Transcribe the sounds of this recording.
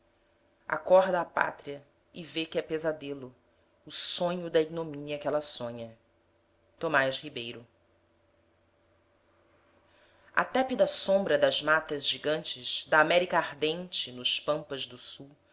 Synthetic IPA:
a̰kɔɦd̪ɐːpa̰t̪ɾiɐ | ɪvekɪɛpezad̪elʊː | sõɲʊd̪ɐiɡ̚nomĩɲɐkɛlɐsõɲɐ | t̪omaʃhibejɾʊ | ɐ̰t̪ɛpid̪ɐsõmbɾɐd̪ɐzmat̪ɐzʒiɡɐ̃nt͡ʃɪzd̪ɐːmɛɾikɐaɾd̪ẽnt͡ʃɪnʊʃpɐ̃mpɐzd̪ʊsuw

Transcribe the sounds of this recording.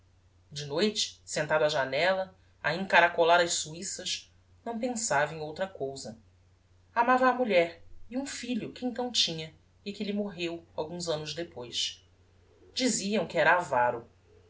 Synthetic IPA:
d͡ʒɪnojt͡ʃɪ̥sẽnt̪ad̪aʒanɛlɐ | a̰ẽŋkaɾakolaɾɐʃsuisɐʃ | nɐ̃w̃pẽsavɐẽj̃owt̪ɾɐkowzɐ | amavɐːmuʎɛɾiũfiʎʊkɪẽnt̪ɐ̃w̃t͡ʃĩɲɐ | ɪkɪʎɪmoɦewawɡũzɐ̃nʊʒd̪epojʃ | d͡ʒiziɐ̃w̃kɪɛɾɐavaɾʊ

